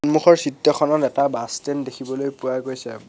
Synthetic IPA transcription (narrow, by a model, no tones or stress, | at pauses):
nmuxʰɔɹsitjɔxɔnɔtɛtabastɛndekʰibɔlojpuaɡojsɛ̰